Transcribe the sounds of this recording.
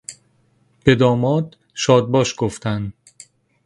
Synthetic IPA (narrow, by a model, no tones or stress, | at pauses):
b̥ed̪ɒːmɒːd̪ | ʃɒːd̪̚bɒːʃɡ̥oft̪ʰænd̪